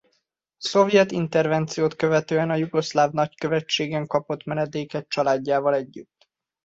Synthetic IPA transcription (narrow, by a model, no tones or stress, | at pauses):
so̞vjɛt̪int̪ɛrvɛnt̪sijoːt̪kø̞vɛt̪øːɛnɒjuɡo̞slaːvnɒckøvɛt͡ʃːeːɡɛŋkɒpo̞t̪mɛnɛd̪eːkɛt̪̚t͡ʃɒlaːɟːaːvɒlɛɟːyt̪ː